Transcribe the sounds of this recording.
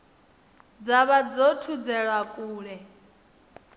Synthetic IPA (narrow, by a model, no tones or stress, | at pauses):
d͡zaβad͡zɔtʰud͡zɛɺwakʼuːɺɛ